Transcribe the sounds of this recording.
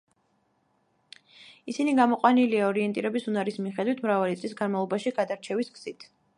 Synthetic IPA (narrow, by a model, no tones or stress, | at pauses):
isiniɡamɔqʼwaniliaɔɾiɛnt̪ʼiɾɛbisunaɾismiχɛd̪wit̪ʰmɾavalit̪sʼlisɡanmalˠɔbaʃiɡad̪aɾt͡ʃʰɛvisɡz̥it̪ʰ